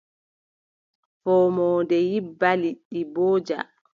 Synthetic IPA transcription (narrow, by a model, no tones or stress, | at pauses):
fɔːmɔːndɛjibːaliɗibɔːd͡ʒa̰